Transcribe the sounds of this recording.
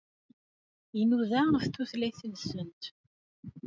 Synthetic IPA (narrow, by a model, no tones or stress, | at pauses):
inuðæθt̪ːuθlæθənsənt̪